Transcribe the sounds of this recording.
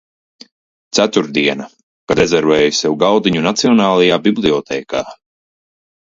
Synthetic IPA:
t̪sæt̪uɾd̪iɛna | kad̪ɛzɛɾvɛːjusɛwɡawd̪iɲunat̪siɔnaːlˠajaːbiblˠiɔt̪ʰɛːka̰ː

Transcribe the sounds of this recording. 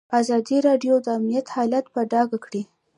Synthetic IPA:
azɑd̪iɾɑɖjod̪əamnijat̪hɑlat̪paɖɑɡakɽi

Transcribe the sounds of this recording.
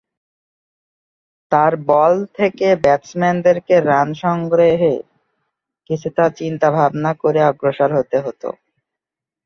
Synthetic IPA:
t̪aɾbɔlt̪ʰekebɛtsmɛnd̪eɾkeɾanʃɔŋɡɾeɦḛ | kit͡ɕʰut̪at͡ɕint̪abʱabnakoɾeaɔɡɾoʃaɾɦot̪eɦot̪o̰

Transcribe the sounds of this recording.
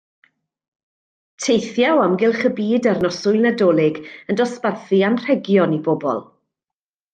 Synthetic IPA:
tʰejθjawamɡɪlˠχəbiːdarnɔsʊjlˠnadɔːlˠɪɡəndɔsparθianr̥ɛɡjɔnibɔbɔ̰lˠ

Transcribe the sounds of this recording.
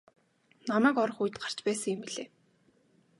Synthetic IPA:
namæːkɔɾɞ̆χuj̆t̪ɢḁr̥t͡ɕpæːsə̆ŋɪmpiɮeː

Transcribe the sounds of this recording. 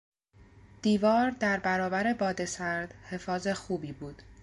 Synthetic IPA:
d̪̥iːvɒːɾd̪æɾbæɾɒːbæɾe̞bɒːd̪e̞sæɾd̪̥he̞fɒːze̞xuːbiːbuːd̪̥

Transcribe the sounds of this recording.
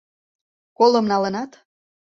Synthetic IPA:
kolə̆mnɑlə̆nɑt̪

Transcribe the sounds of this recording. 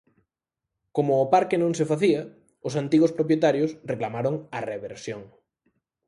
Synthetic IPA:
komʊːpaɾkenõŋsefaθiɐ | ʊsant̪iɣospɾopjet̪aɾjosreklamaɾoŋɐreβeɾsjoŋ

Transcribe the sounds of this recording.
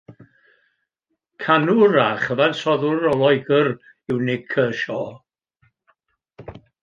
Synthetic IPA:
kʰanuɾaχəðansɔðʊɾɔlˠɔjɡər | ɪwnɪɡ̚kʰəːʃɔ

